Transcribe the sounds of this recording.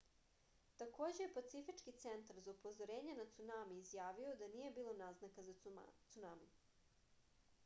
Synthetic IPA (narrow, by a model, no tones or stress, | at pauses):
t̪akoːd͡ʑejepat̪sifit͡ʃkit̪sent̪aɾzaupo̞zo̞ɾe̞ːɲenat̪sunamiːzjaːʋio̞d̪aniːje̞biːlˠo̞naznakazat̪sunami